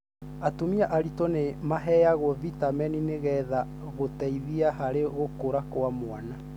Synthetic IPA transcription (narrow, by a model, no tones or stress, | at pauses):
atomiaʔaɾitonemaɦɛjaɣwɔvitamɛnineɣɛða | ɣotɛiðiaɦaɾeɣokoɾakoamwana